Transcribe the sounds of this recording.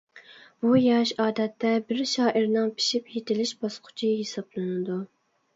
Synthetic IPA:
b̥ujɑʃɑːd̪ɛt̪ːɛbɪɾʃɑːʔiɾnɨŋpʰi̥ʃipjet̪ʰɪlɪʃbɑsqʰʊ̥t͡ʃʰiɦesɑblˠɨnɨd̪u

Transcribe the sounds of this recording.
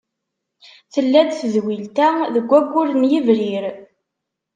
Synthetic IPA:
θəlːæd̪θəðwilt̪æðəɡʷːæɡʷːʊɾənjivɾiɾ

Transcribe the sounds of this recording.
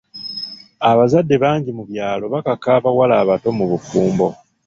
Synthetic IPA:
aβazadːe̞βaːɲɟimuβjaːlo̞βakakaːβawalaːβato̞muβufuːmbo̞

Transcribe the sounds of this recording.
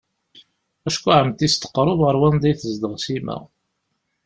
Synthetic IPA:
æʃkʷːuʕəmt̪ist̪ə̥qːɾˤʊðʁəɾˤwænd̪æjθəzd̪əʁsimæ̰

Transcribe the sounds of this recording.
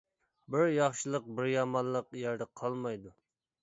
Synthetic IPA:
bɪɾjɑχʃɨlˠəq̚bɪɾjɑmɑnˠːəqjæɾd̪ɛqʰɑlˠmɑjd̪u

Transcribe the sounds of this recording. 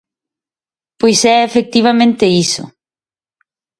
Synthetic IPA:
pojsɛefek̚t̪iβamẽnt̪eisʊ̰

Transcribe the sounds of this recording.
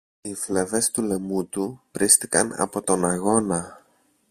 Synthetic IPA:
ifleve̞st̪ule̞mut̪upɾist̪ikɐ̰nɐ̰po̞t̪o̞nɐɣo̞nɐ

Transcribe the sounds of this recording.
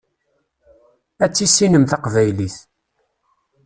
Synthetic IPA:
æt͡sːisːinəmθɑqvæjliθ

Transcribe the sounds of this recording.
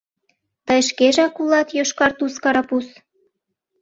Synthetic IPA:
t̪əjʃkeʒɑkulɑt̪joʃkɑrt̪uskɑɾɑpus

